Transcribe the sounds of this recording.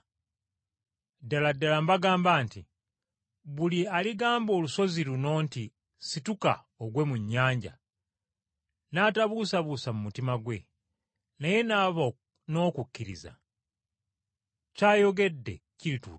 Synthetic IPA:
daladːalambaɡaːmbaːnti | βulialiɡaːmbo̞ːluso̞ziɾuno̞ːnti | situka̰ | oɡwe̞muɲːaːɲɟa̰ | naːtaβusaβusamumutimaɡwe̞̰ | naje̞naβ | no̞ːkukːiɾḭza̰ | caːjo̞ɡe̞dːe̞̰ciɾitu

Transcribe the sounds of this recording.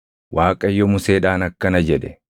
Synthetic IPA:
wʔaːkʼɐjːɔmʊseːᶑaːnɐkːɐnɐd͡ʒɛᶑɛ

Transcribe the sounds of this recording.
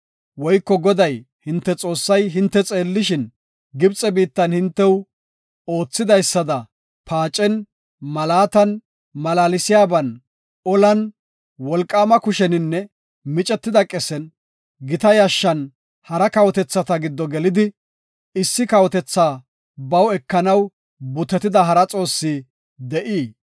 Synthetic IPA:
wɔjkːɔɡɔd̪ɐj | hɪnt̪ːɛt͡sʼo̞ːsːɐjɦɪnt̪ːɛt͡sʼeːlːɪʃɪn | ɡɪbt͡sʼɛbiːt̪ːɐnhɪnt̪ːɛw | o̞ːt͡sːɪd̪ɐjsːɐd̪ɐ | pʰaːt͡ʃʼːɛn | mɐlaːt̪ɐn | mɐlaːlɪsɪjaːbɐn | ɔlɐn | wɔlkʼːaːmɐkʊʃɛnɪnːɛ | mɪt͡ʃʼɛt̪ːɪd̪ɐkʼɛsɛn | ɡɪt̪ɐjaʃːɐn | hɐɾɐkɐwɔt̪ɛt͡sːɐt̪ɐɡɪd̪ːɔɡɛlɪd̪ɪ | ɪsːɪkɐwɔt̪ɛt͡sːaː | bɐwɛkːɐnɐw | bʊt̪ɛt̪ɪd̪ɐɦɐɾɐt͡sʼo̞ːsːiː | d̪ɛʔiː

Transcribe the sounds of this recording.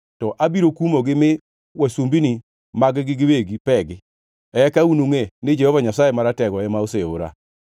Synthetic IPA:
tɔʔabiɾokumoɡɪmɪ | wasumbini | maɡɪɡɪɡɪweɡipɛɡɪ | ɛkaunoŋenɪd͡ʒɛhɔvaɲasajemaɾatɛɡɔɛmaoseo̰ɾa̰

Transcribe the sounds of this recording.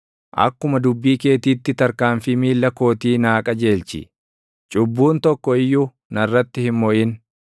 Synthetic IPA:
ʔɐ̰kːʊmɐd̪ʊbːiːke̞ːt̪iːt̪ːɪt̪ɐɾkaːnfɪmiːlːɐko̞ːt̪iːnaːkʼɐd͡ʒe̞ːlt͡ʃɪ̰ | t͡ʃʼʊbːuːnt̪ɔkːɔɪjːuː | nɐrːɐt̪ːɪhɪmːɔʔɪn

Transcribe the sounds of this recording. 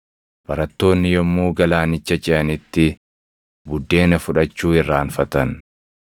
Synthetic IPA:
b̥ɐɾɐt̪ːo̞ːnːɪjɔmːuːɡɐlaːnɪt͡ʃːɐt͡ʃʼɪʔɐnɪt̪ːɪ | bʊd̪ːe̞ːnɐfʊᶑɐt͡ʃːuːɪrːaːnfɐt̪ɐn

